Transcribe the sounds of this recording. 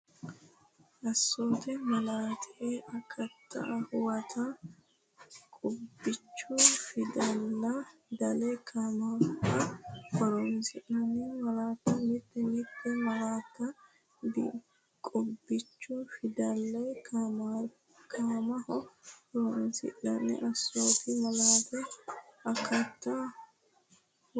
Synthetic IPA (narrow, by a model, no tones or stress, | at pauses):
ʔɐsːɔnt̪ɛmɐlaːt̪ʰɛʔeʔɐkʰɐt̪ʰːɐ̰ʔɐhʊwɐt̪ʰɐ | kʼʊbːɪt͡ʃːʊfɪd̪ɐlːɐd̪ɐlɛjkʰaːmɐɐhɔɾɔnsɪʔɪnːɛmɐlaːt̪ːɐmɪt̪ːɛnɪt̪ːɛmɐlaːt̪ːɐ | d̪ | kʼʊbːɪt͡ʃːʊfɪd̪ɐlːɐjkʰama | kʰaːmɐhɔhɔɾɔnsɪ̰ʔːɐ̰nːɛ̰ʔɐsːoːfɪmɐlaːt̪ɛɐkʰɐt̪ːɐ